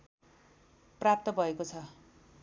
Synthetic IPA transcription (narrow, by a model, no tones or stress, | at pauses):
prap̚t̪ʌbʱʌekot͡sʰʌ